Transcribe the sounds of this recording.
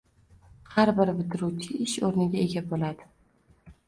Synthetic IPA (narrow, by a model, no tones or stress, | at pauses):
haɾbɪɾbɪt̪ɪɾut͡ʃʰɪɪʃoɾnɪɡʲae̞ɡʲabolad̪ɪ